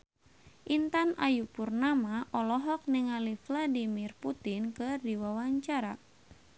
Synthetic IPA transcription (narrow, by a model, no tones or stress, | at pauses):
ʔint̪anajupurnamaʔɔlɔɦɔk̚nɪŋalifladimirput̪inkɨrdiwawaɲt͡ʃaɾa